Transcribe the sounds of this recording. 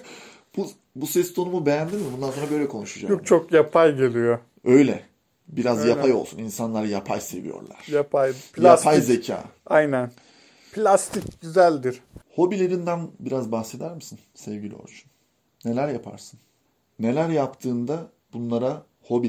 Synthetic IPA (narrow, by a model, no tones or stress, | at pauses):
b̥u | busɛst̪ʰo̞numube̞jænd̪inmibund̪ansoɾabø̞jlʲɛkʰo̞nuʃud͡ʒa̰kt͡ʃʰokjapʰajɟelʲijo | ø̞jlʲɛ | biɾazjaajo̞lˠsuninsanlˠaɾajapʰa̰jse̞̰vḭjo̰ɾlˠa̰ɾ̥japʰajpjapʰajzecʰa̰ːajnæn | pʰlʲast̪ʰicɟyzælʲd̪iɾ̥ho̞bilʲeɾind̪ænbiɾazbaxse̞d̪æɾmɯsɯnsɛvɟilʲḭo̰ɾt͡ʃʰu̥n | ne̞lʲæɾjapʰa̰ɾsɯn | ne̞lʲæɾjapt̪ʰɯːnd̪a | b̥unlˠaɾa | ho̞bi